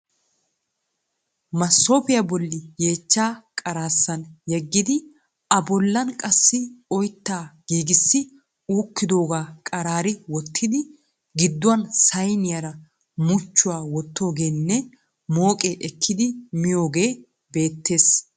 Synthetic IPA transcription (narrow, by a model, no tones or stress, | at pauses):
mɐsːo̞ːpɪjɐbɔlːɪjeːt͡ʃːaːkʼɐɾaːsːɐnjɛɡːɪd̪ɪ | ɐbɔlːɐnkʼɐsːɪɔjt̪ːaːɡ̥iːɡɪsːɪ | uːkːɪd̪o̞ːɡaːkʼɐɾaːɾɪwɔt̪ʰːɪd̪ɪ | ɡɪd̪ːʊɐnsɐjnɪjɐɾɐ | mʊt͡ʃːʊwaːwɔt̪ːo̞ːɡe̞ːnːɛ | mo̞ːkʼeʔɛkʰːɪd̪ɪmɪjo̞ːɡe̞ː | be̞ːt̪ʰːe̞ːs